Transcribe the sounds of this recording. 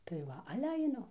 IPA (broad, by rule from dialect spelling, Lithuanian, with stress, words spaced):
tɐɪ ˈʋɐ ˈɑːlʲɛ ɐɪˈnʊ